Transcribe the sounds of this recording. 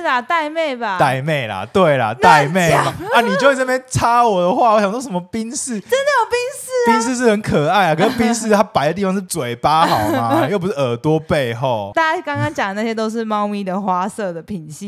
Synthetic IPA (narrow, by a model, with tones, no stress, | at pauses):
a˨˩t̪a˥˧ɪme˥˩ɪba˩t̪a˥˧ɪme˥˩ɪla̰˩t̪we˥˩ɪla̰˨˩t̪a˥˧ɪme˥˩ɪ˨ma˨a˥˩ni˨t͡ɕo˥˧we˥˧˩n˥˩pjɛ˥nt͡sʰa˦wɔ˨˩d̪ə˨xwa˥˨wɔ˦ɕjɑ˨ŋsɔ˥˩ʂmə˧pi˦˥ŋs̩˥˩˨t͡sə˦˥nd̪ə˨jo˨˩ʊpi˦˥ŋs̩˥˩pi˦˥ŋs̩˥˧ʂ̬ɻ̩˥˩hə˧˦nkʰə˨˩a˥˩ɪa˨˩kʰə˧˦˥pi˦ŋs̩˥˩t̪ʰa˦˥pa˨˩ɪd̪ə˩t̪i˥˩fɑ˧˦ŋʂ̬̩˥˩t͡swe˨˩ɪpa˦xɑ˨ʊma˦jo˥˩ʊp̬u˦ʂɻ̩˥˩ə˨˩t̪wɔ˥pe˥˧ɪxo˥˨ʊt̪a˥˧t͡ɕa˥˩kɑ˥ŋkɑ˥ŋt͡ɕja˨˩ŋd̪ə˩na˥˩ɕjeɛ˥t̪o˥ʊʂ̬ɻ̩˥˧mɑ˥˧ʊmi˥˩d̪ə˨xwa˥sɤ˥˩d̪ə˩pʰi˨˩nɕi˥˩